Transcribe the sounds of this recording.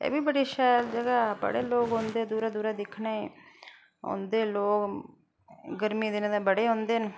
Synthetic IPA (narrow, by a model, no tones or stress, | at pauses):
ḛːbiːbəɽiːʃaːld͡ʒəɡaːbə̰ɽeːloːɡɦõːnd̪eːd̪uːɾaːd̪uːɾad̪ɪkʰna | ɦo̰ːnd̪eːloːk | ɡəɾmiːd̪ɪnẽːd̪aːbəɽeːɦõːnd̪eːn